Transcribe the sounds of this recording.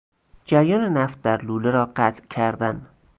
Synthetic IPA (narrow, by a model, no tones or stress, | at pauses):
d͡ʒæɾjɒːnenæft̪̚d̪æɾluːleɾɒːɢæt̪ʔcʲʰæɾd̪æn